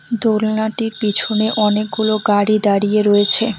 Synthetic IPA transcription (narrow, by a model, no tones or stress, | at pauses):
d̪olnaʈiɾpit͡ɕʰuneʔɔnek̚ɡuloɡaɽid̪aɽijeɾoet͡ɕʰe